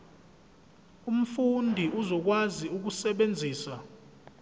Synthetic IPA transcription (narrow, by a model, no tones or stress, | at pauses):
um̩fundʱiʔuzɔk̬waziuk̬usɛɓend͡zʱiːsa